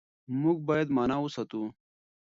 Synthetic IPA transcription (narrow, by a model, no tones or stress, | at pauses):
muɡ̚baːjɐd̪maːnaːusɐt̪u